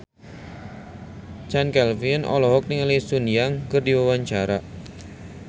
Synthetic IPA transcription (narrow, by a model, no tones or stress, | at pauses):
t͡ʃankɛlfinɔ̰lɔɦɔk̚nɪŋlisunijaŋkərdiwawaɲt͡ʃaɾaʔ